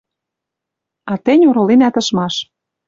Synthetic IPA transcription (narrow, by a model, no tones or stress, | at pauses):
ɑt̪ĕnʲuɾolenæt̪ɤ̆ʃmɑʃ